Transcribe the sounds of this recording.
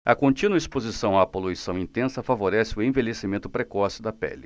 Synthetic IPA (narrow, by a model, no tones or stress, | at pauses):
ɐkõt͡ʃĩnuɐispozisɐ̃w̃apoluisɐ̃w̃ĩnt̪ẽsɐfavoɾɛsɪʊẽvelesimẽnt̪ʊpɾekɔsɪd̪ɐpɛ̰lɪ